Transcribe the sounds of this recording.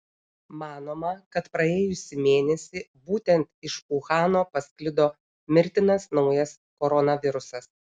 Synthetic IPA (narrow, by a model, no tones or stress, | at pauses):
mɑːnoːmɐkɐt̪pɾɐeːjʊsʲɪmʲeːnʲɛsʲiːbuːt̪ʲɛnt̪ɪʃuxɑːnoːpɐsʲkʲlʲɪd̪oː | mʲɪɾʲt̪ʲɪnɐsnɒʊjɐs | kɔɾɔnɐʋʲɪɾʊsɐs